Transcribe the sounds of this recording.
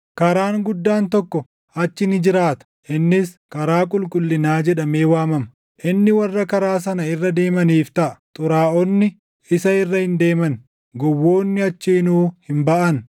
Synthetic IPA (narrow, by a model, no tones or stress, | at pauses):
kɐɾaːŋɡʊd̪ːaːnt̪ɔkːɔ | ɐt͡ʃːɪnɪd͡ʒɪɾaːt̪ɐ̥ʔɪnːɪs | kɐɾaːkʼʊlkʼʊlːɪnaːd͡ʒɛᶑɐme̞ːwaːmɐmɐ | ʔɪnːɪwɐrːɐkɐɾaːs̬ɐnɐɪrːɐd̪e̞ːmɐniːft̪ɐʔɐ̥t̪ʼʊɾaːʔɔnːɪ | ɪsɐɪrːɐhɪnd̪e̞ːmɐn | ɡɔwːo̞ːnːɪɐt͡ʃːiːnuːhɪmbɐʔɐn